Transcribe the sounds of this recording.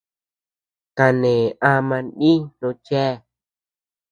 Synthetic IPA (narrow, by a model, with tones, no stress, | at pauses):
ka˧nẽ˨a˧mã˧nɗĩ˦nõ˧t͡ʃɛ˦˨